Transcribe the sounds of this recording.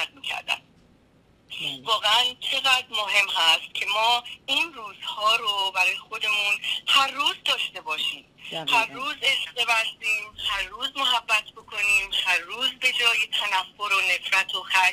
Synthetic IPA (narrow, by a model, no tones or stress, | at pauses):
æt̪̚miːcʰæ̰ɾd̪æ̰n | vɒːɣeænt͡ʃʰe̞ɣæd̪ɾmoɦe̞mhæst̪̚cʲʰe̞mɒːinruːz̥hɒːɾobæɾɒːjexo̞d̪e̞munhæɾːuːzd̪ɒːʃt̪e̞bɒːʃiːmhærːuːzeʃd̪e̞bæsiːmhæɾːuːzmoɦæbːæt̪ʰbo̞kʰo̞niːmhæɾːuːzbe̞d͡ʒɒːjet̪ʰænæfːo̞ɾo̞ne̞fɾæt̪ʰoxæ